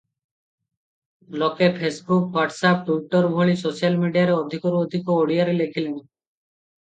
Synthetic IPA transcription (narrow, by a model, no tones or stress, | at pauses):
lɔkepʰesbukwaʈsap̚ʈuiʈɔɾbʱoɭisosialmiɖijaɾeɔd̪ʱikɔɾuod̪ʱikoːɽijaɾelekʰilen